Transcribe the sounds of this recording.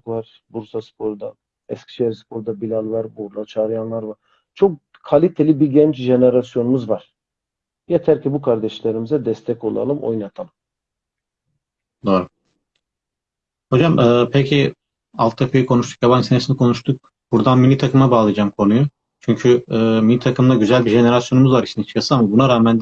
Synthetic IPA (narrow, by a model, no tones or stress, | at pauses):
klˠaɾ | buɾsaspʰo̞ɾd̪a | ɛscʲʰi̥ʃeɾspʰo̞ɾd̪abilʲalˠvˠaɾbuɾlˠat͡ʃʰaːɾɯjanlˠaɾvaɾ | t͡ʃʰo̞k̚ | kʰalʲit̪ʰelʲibiɟɛnt͡ʃʒe̞neɾasjo̞numuzvaɾ̥ | jat̪ʰæɾcʰibukʰaɾd̪ɛʃlʲeɾimizɛd̪ɛst̪ʰɛco̞lˠa̰lˠɯmo̞̰jnat̪ʰalˠɯm | d̪oːɾu | ho̞d͡ʒamɯːpʰecʰi | alˠt̪ʰːapʰijikʰo̞nuʃt̪u̥kjaβansinesinikʰo̞nuʃt̪ʰuk̚ | b̥uɾd̪anminit̪ʰakʰɯmabaːlˠɯjad͡ʒamkʰo̞nuju | t͡ʃʰyɲcʰyɯːminit̪ʰakʰɯmd̪aɟyzælʲbiʒe̞ne̞ɾasjo̞numuzvaɾiʃt͡ʃnit͡ʃʰkʰasɯamabunaɾaːmænd̪